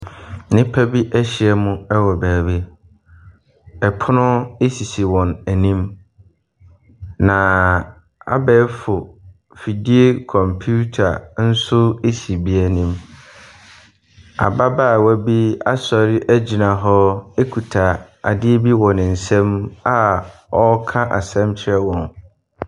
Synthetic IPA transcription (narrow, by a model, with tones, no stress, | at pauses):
nɪ̃˦pʰæ˦bi˦ʔæ˦ɕɪ˨ɛ˦mʊ̃˦ɛ˦wɔ˨bæː˨bi˦ | ɛ˨pʰʊ˦nʊ̃˦e˦si˨si˨wɔ̃˨næ˨nĩ˦m | nã˨ | a̰˨bɛː˨˦fʊ˨ | fi˨di˦o˦kʰɔ̃˨mpʰu˦tʰa̰˨n̩˦sʊ˦e˦si˨bi˦æ˨nĩ˨m | a̰˨ba˦ba˦˨wæ˦bi˦a˦sɔ˨ɾɪ˦ʔæ˦d͡ʑi˨nã˨ɦɔ˦e˦kʰu˨tʰa˨ | a̰˨dɪ˦e˦bi˦wɔ̃˨nɪ̃˨n̩˨sɛ̃˦ma˦ɔ˦kʰã˦ʔa˨sɛ̃˦mt͡ɕʰɪ˦ɾɛ˦wɔ̃˨n